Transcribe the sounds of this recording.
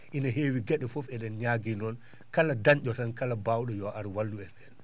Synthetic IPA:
ʔinaɦewiɡaɗɛfɔfɛɗɛnɲaɡinɔn | kaladaɲʄɔtankalabawɗɔjɔʔaɾwalːuɛnɛl

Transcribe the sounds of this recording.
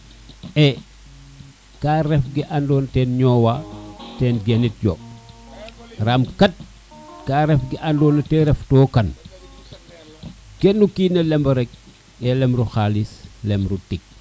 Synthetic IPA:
ʔɛ | kaːɾɛfɡiʔandɔːntɛnɲɔːwatɛːnɡɛnit̚jo | ramkɐt̚ | kaːɾɛfɡiʔandɔːnɐtɛɾɛftɔːkɐn | ɡ̥ɛnːukinɐlɛmbɐɾɛk̚ | ɛlɛmɾuxalislɛmɾutik̚

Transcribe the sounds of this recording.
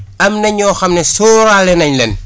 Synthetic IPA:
ɐmnɐɲoːxɐmnesoːɾalenɐɲlen

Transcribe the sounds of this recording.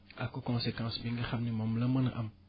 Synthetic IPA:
akokɔ̃sekãːsbĩŋɡəxamnimõmləmənʔa̰m

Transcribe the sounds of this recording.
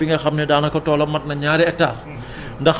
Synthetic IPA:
iŋɡɐxɐmnɐdaːnɐkɔtɔːlɐmːɐt̚nɐɲaːɾɛɛk̚tːar | ndɐx

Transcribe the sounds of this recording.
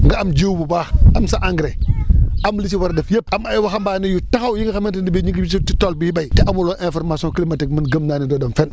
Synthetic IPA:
ŋɡaamd͡ʒiwbubaamsaʔaŋɡɾeamlis̬iwaɾdafjep̚amajiwaxambanijutaxawjiŋɡixamentindibeɲiŋɡibisititolbijibaitiʔamuloʔẽnfoɾmasõklimatikminɡəmnanidodomfen

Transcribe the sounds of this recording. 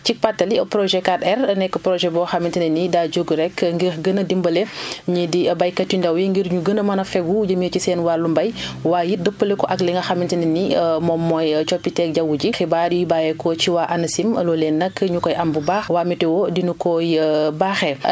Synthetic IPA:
t͡ʃik̚patːɐlipɾɔʒɛkatɛrnɛkːəpɾɔʒɛbɔxamintinɛnidad͡ʒoɡuɾɛkŋɡiɾɡənədimbəlɛɲidibajkɐtːindɐwjiŋɡiɾɲuɡənəmɐnɐfɛkwud͡ʒəmicisɛːnwalːumbɐjwaːjidəpːəlɛkɔʔɐklɛŋɡɐxamintininimɔmɔjt͡ʃɔpːitɛk̚ɟɐwuɟixibaɾjibajɛkɔt͡ʃiwaːʔɐnɐsimlɔlɛnːɐkːəɲukɔjʔɐmbubaːxwaːmitɛwɔdinukɔjbaːxɛ

